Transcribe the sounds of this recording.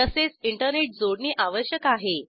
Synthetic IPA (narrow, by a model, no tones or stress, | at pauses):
əset͡siɳʈəɾneʈ̚d͡zoɽniːʔaʋəɕjəkaɦe